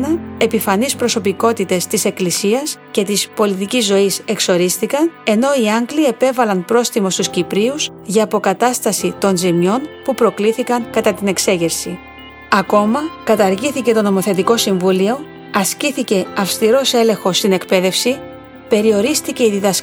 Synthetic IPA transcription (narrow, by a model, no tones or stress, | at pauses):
ɐe̞pifɐnispɾo̞so̞piko̞t̪it̪e̞st̪ise̞klisiɐsce̞t̪ispo̞lit̪icizːo̞ise̞kso̞ɾist̪ikɐne̞no̞iɐŋɡlie̞pe̞vɐlɐnpɾo̞sθimo̞st̪uscipɾius | ʝɐːpo̞kɐt̪ɐst̪ɐsit̪o̞nzimɲo̞npupɾo̞kliθikɐŋkɐt̪ɐt̪ine̞kse̞ʝeɾsi | ɐko̞mɐkɐt̪ɐɾʝiθice̞t̪o̞no̞mo̞θe̞t̪̬iko̞siɱvulio̞ | ɐsciθice̞ɐfst̪iɾo̞se̞lẽ̞ŋxo̞st̪ine̞kpe̞ðe̞fsi | pe̞ɾio̞ɾist̪iceiðiðɐs